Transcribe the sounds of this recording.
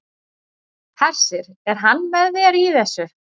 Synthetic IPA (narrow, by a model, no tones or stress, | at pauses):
hʰɛr̥sɪɾɛɾ̥ɦanːvɛðvɪɾiθɛsːʏ